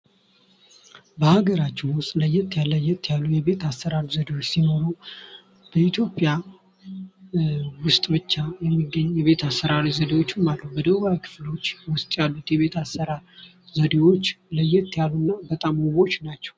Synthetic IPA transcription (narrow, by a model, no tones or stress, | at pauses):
bəhaɡəɾat͡ʃːɛwʊst̪ʼləjɛt̪ʰːjalːəjɛt̪ʰːjalːujɛβe̞t̪asːəɾaɾizəd̪ewo̞t͡ʃːsino̞ɾu | b̥əit̪ʰjo̞pʼja | wʊst̪ʼbɨt͡ʃːajɛmːiɡːəɲːjɛβe̞t̪ʰasːəɾaɾizəd̪ewo̞t͡ʃːumːaləwbəd̪əwajakʰɨ̥flo̞t͡ʃːwʊst̪ʼjalːut̪jɛβe̞t̪ʰasːəɾa | zəd̪ewo̞t͡ʃːləjɛt̪ʰːjalːunːabət̪ʼamoβo̞t͡ʃnat͡ʃːɛ̥w